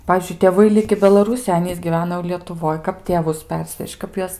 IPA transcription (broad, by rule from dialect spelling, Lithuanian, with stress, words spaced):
ˈpɑːʋʲiːzʲd͡ʒʲʊɪ tʲeːˈʋɐɪ ˈlʲɪkʲɪ bʲɛlˠɐˈruːsʲɪjoːj ˈɑːnʲiːs ɡʲiːˈʋʲæːnɐ jɛʊ lʲiɛtʊˈʋoːj ˈkɐp tʲeːˈʋʊs ˈpʲɛrʲsʲʋʲɛʃʲt͡ʃʲ ˈkɐp juɔs